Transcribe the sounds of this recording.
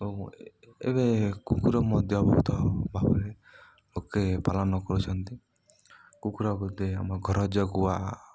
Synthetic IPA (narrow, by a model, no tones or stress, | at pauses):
o | ḛbekukuɾɔmɔd̪ʱjɔbʱɔt̪ɔbʱabɔɾe | lokepalɔnɔkɔɾut͡ʃʰɔnt̪i | kukuɾɔɡut̪ea̰maɡʱɔɾɔd͡ʒɔɡua